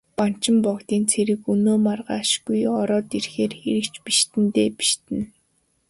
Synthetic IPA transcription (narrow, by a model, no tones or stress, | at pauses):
pan̥t͡ɕɪ̆mpɔkt̪iːnt͡sʰeɾɘ̆kunoːmarʁaːʃɡujɔɾɔːt̪irxeːrxeɾɘ̆kt͡ɕpiʃt̪ɘ̆nt̪eːpi̥ʃt̪ɘ̆n